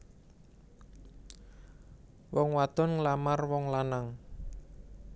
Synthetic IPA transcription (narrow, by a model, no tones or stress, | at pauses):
wɔŋwat̪ɔnŋlamarwɔŋlanaŋ